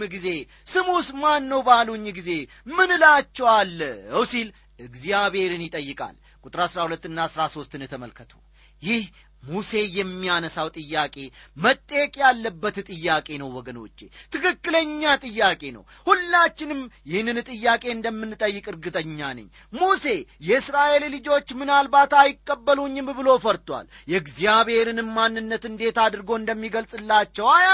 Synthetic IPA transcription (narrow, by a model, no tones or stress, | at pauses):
mɨɡize̞ | sɨmusmanːəwbaluɲːɡize̞ | mɨnɨlat͡ʃːɛwalːwsil | ɨɡzjaβe̞ɾɨnjɪt̪ʼəjːɨkʼa̰l | kʼut̪ʼɾasɾahulət̪ːɨnːasɾaso̞st̪ɨnɨt̪ʰəməlkʰət̪ʰu | jɪh | muse̞jɛmːianəsawt̪ʼɨjːakʼe̞mət̪ʼːəjɛkʼjalːəbːət̪ɨt̪ʼɨjːakʼe̞nəwːɔɡəno̞̰t͡ʃːḛt̪ʰɨkɨkʼːɨləɲːat̪ʼɨjːakʼe̞nə̰w | hulːat͡ʃːɪnɨmjɪhnːɨnt̪ʼɨjːakʼe̞ɨnd̪əmːɨnːt̪ʼəjːɪkʼɨɾɡɨt̪ʼəɲːanɨ̰ɲː | muse̞jɛɨsɾaʔe̞llɨd͡ʒo̞t͡ʃːmɨnalbat̪ajɪkʼːəbːəluɲːɨmɨβɨlo̞fəɾt̪wa̰ljɛɡzijaβhe̞ɾɨnɨmːanːɨnːət̪ɨnd̪e̞t̪ad̪ɨɾɨɡo̞ɨnd̪əmːiɡəlsʼɨlːat͡ʃːɛwaja